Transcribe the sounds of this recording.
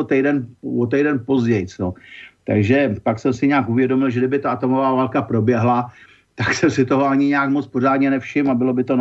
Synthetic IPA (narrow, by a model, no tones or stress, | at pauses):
ot̪ɛjdɛnvot̪ɛjdɛnpo̞zɟɛjt͡sot̪a̰ɡʒɛpaksɛmsɪɲaːkʔuvjɛdo̞mɪlʒɛdɪbɪt̪aʔat̪o̞mo̞vaːvaːlkapɾo̞bjɛɦla | t̪aksɛmsɪt̪o̞ɦo̞aɲɪɲaːkmot͡spo̞raːdɲɛnɛfʃɪmabɪlo̞bɪt̪o̞n